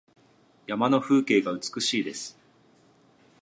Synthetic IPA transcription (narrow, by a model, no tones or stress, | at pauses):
jamano̞ɸɯ̟ːke̞ːɡaɯ̟t͡sɨ̥kɯ̟ɕiːd̪e̞sɨ̥